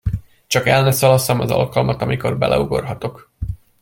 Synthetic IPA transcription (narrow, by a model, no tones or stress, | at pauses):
t͡ʃɒkɛlnɛsɒlɒsɒmɒzɒ̰lkɒlmɒt̪ɒmiko̞rbɛ̰lʔɛ̰uɡo̞̰rɦɒt̪o̞k